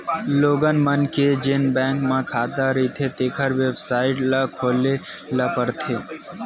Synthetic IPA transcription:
loːɡənmənked͡ʒenbɛ̃ŋkmãkʰaːt̪aɾit̪ʰet̪eːkʰəɾʋebsaɪʈlakʰoːlelapəɾt̪ʰe

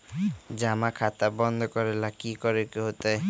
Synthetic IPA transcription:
d͡ʑamakʰat̪abɔnd̪ʱɔkɔɾelakikɔɾekeɦot̪aj

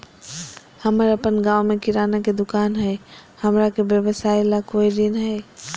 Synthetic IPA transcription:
həməɾəpənɡãːwmẽkɪɾaːnaked̪ʊkaːnɦɛːhəmɾakebjəʋəsaːjlakoːid̪ɪnɦɛ

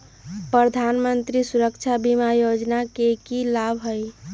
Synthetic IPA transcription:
pɾəd̪ʱanmənt̪ɾisuɾəkt͡ʃʰabimajod͡ʒnakekilabʱɦoj

